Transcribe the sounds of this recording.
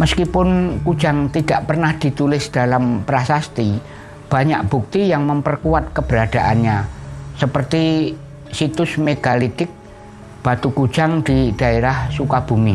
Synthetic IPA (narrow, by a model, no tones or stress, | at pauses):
məskipʊnkud̥d͡ʒ̥aŋt̪id̥aʔpərnahd̪̥i̤t̪ulɪsd̥alampɾasast̪i | b̥a̤ɲak̚b̥ṳk̚t̪ijaŋməmpərkuwat̪̚kəb̥əɾad̪̥aʔa̰nɲasəpərt̪i | sit̪ʊsmeɡ̥alit̪ɪk̚ | b̥at̪ukud̥d͡ʒ̥aŋd̪̥id̪̥a̤eɾahsukab̥umi